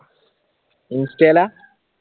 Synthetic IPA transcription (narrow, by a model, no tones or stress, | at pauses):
instɛla